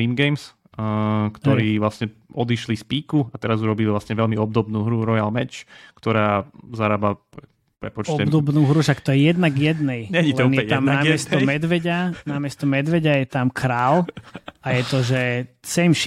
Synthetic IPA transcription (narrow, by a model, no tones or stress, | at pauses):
iːmɡɛjms | kt̪ɔɾiːʋlasɲɛɔd̪iʃlispiːkuat̪ɛɾazuɾɔbilivlasɲɛʋɛlmiɔb̚d̪ɔbnuːɦɾuɾɔjalmɛt͡ʃkt̪ɔɾaːzaɾaːba | pɾɛ̰pɔt͡ʃɔɛbd̪ɔbnuːɦɾuʃakt̪ɔjɛjɛd̪naɡjɛd̪nɛjɲɛɲilɛnj̪amnamɪɛstɔmɛd̪ʋɛɟanamɪɛst̪ɔmɛd̪ʋɛɟajɛt̪amkʰɾaːlajɛt̪ɔʒɛsɛmʃ